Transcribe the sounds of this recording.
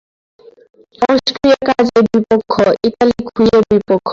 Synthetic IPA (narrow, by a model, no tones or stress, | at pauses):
ɔsʈɾiakad͡ʑeɾbipokʰːoʔiʈalikʰujeɾbipokʰːo